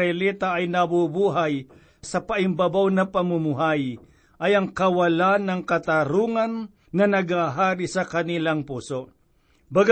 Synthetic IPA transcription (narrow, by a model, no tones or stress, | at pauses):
ɛlɛt̪ɐʔɐjnɐbubuːɦaj | sɐpɐʔɪmbɐbawnɐpɐmʊmʊɦaj | ʔɐjɐŋkɐwɐlanɐŋkɐt̪aɾuːŋɐnː | ɐnɐɡhaɦaːɾisɐkɐnilaŋpuːso | bɐɡ